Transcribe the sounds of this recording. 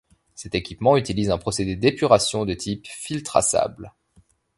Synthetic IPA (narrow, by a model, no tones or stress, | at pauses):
sɛt̪ekʲipmɑ̃yt̪ilizɛ̃pχɔsed̪ed̪epyʁasjɔ̃d̪ət̪ʰipfilt̪χa̰sa̰bl